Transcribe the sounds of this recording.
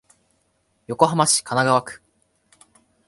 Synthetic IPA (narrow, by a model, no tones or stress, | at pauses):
jo̞ko̞ɦamaɕi̥kanaɡaβakɯ̥